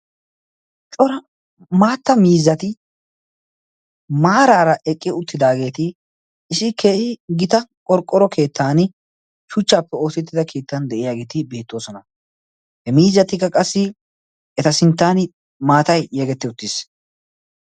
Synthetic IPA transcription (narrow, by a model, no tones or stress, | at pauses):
t͡ʃʼɔɾɐ | maːt̪ːɐmiːzːɐt̪ɪ | maːɾaːɾɐʔɛkʼːɪʊt̪ːɪd̪aːɡe̞ːt̪ɪː | sɪkʰeːʔɪɡɪt̪ɐkʼɔɾkʼːɔɾɔkʰe̞ːt̪ːaːn | ʃʊt͡ʃːaːpːɛo̞ːsɪt̪ːɪd̪ɐkʰe̞ːt̪ːɐnd̪ɛʔɪjaːɡe̞ːt̪ɪbe̞ːt̪ːo̞ːsɔnɐ | hɛmiːzːɐt̪ɪkːɐkʼɐsːɪ | ɛt̪ɐsɪnt̪ːaːn | maːt̪ɐjːɛɡɛt̪ːɪʊt̪ːɪs